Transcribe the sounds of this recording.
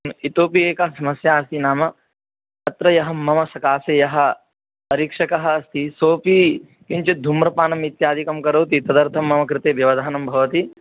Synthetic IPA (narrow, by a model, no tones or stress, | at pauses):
it̪oːpieːkɐɦɐsɐmɐsjaːɐst̪ʰinaːmɐ | ɐt̪ɾɐjɐɦɐmːɐmɐsɐkaːsejɐɦɐ̆ | ɐɾiːkʂɐkɐɦɐːst̪ʰisoːpiː | kint͡ʃɐd̪ʱumɾɐpaːnɐmit̪jaːd̪ʱikɐmkɐɾɐwt̪it̪ɐd̪ɐɾt̪ʰɐmːɐmɐkɾɪt̪eːbjɐʋɐd̪ʱaːnɐmbʱɐʋɐt̪i